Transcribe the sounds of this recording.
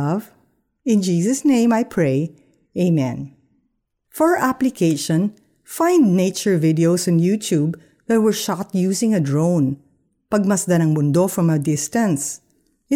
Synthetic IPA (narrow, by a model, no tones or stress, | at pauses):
v | ɪ̃nd͡ʒiːsɐsnẽɪ̃majpʰɹeɪ | ʔeɪmɛ̰̃n | fɔɹʔaplɪkʰeɪʃɔ̃n | fãjnd̪̚neɪt͡ʃɔɹvɪd̪ɛowsɔ̃njut̪ʰub | ðɐt̪̚wɛɹʃat̪̚juːsɪ̃ŋɐd̪ɹõʊ̃n | pɐɡ̚mɐsd̪ɐnɐŋbʊnd̪ofɹɐ̃mɐd̪ɪst̪ɐ̃ns